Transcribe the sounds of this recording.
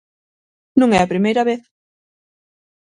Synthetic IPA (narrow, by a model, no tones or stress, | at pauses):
nũŋɛɐpɾimejɾɐβeθ